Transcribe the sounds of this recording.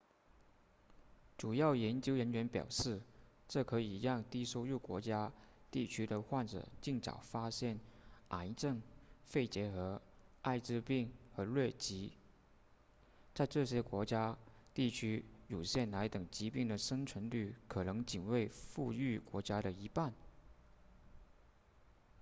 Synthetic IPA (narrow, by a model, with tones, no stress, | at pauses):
ʈ͡ʂu˨˩jɑ˥˩ʊjɛ˧˥nt͡ɕjo˥ʊɻə˧˥nɥɛ˧˥npjɑ̰˨˩ʊʂɻ̩˥˩ | ʈ͡ʂɤ˥˩kʰɤ˧˥i˨˩jɑ˥˧ŋt̪i˥˩ʂo˥ʊju˥˩kwɔ̰˧˥t͡ɕja˥t̪i˥˩t͡ɕʰy˥d̪ə˨xwa˥˩nʈ͡ʂɤ̰˨˩t͡ɕi˥˩ŋʈ͡ʂɑ̰˨˩ʊfa˥ɕjɛ˥˩nʔa˧˥nʈ͡ʂɤ˥˧ŋfe˥˩ɪt͡ɕjɛ˧˥xɤ˧˥a˥˧ɪʈ͡ʂɻ̩˥˧pi˥˩ŋxɤ˧˥lwe˥˩ɪt͡ɕi˧˥ | t͡sa˥˧ɪʈ͡ʂɤ˥˩ɕjɛ˥kwɔ˧˥t͡ɕja˥ | t̪i˥˩t͡ɕʰy˥ju˨˩ɕjɛ˥˩nla˧˥ɪt̪ɤ˨˩ŋt͡ɕi˧˥pi˥˩ŋd̪ə˩ʂɤ˥ŋt͡sʰwə˧˥nly˥˩kʰɤ˨˩nɤ˧˥ŋt͡ɕi˨˩nwe˥˧ɪfu˥˧y˥˩kwɔ˧˥t͡ɕja˥ɾə˨i˧˥pa˥˩n